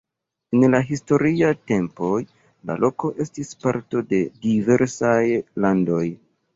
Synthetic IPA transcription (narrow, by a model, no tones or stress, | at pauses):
enlaɦisto̞ɾiate̞mpo̞j | la̰lo̞ko̞ʔe̞stispaɾto̞de̞dive̞ɾsajlando̞j